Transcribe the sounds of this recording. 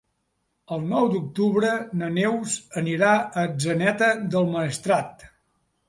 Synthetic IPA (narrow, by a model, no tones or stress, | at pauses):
əlˠnɔwd̪uk̚t̪uβɾənənewzəniɾaəd͡ʒənɛt̪əd̪əlˠməːst̪ɾat̪